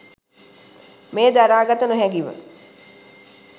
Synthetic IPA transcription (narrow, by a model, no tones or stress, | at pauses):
meːd̪aɾaːɡat̪ənuɦɛɡiʋə̰